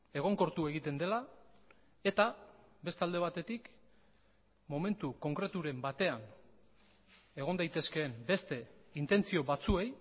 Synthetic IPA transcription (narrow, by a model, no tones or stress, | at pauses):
e̞ɣ̞o̞ŋko̞ɾt̪ue̞ɣit̪e̞nd̪e̞la | e̞t̪a | be̞st̪ald̪e̞βat̪e̞t̪ik | mo̞me̞nt̪uko̞ŋkɾe̞t̪uɾe̞mbat̪e̞an | e̞ɣ̞o̞nd̪ajt̪e̞ske̞ːmbe̞st̪e̞int̪e̞nt͡sio̞βat͡sue̞j